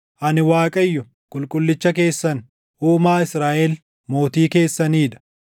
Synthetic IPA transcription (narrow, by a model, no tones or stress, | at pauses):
ʔɐnɪwaːkʼɐjːʊ | kʼʊlkʼʊlːɪt͡ʃːɐke̞ːsːɐn | ʔuːmaːɪsɾaːʔɛl | mo̞ːt̪iːke̞ːsːɐniːᶑ̪ɐ̥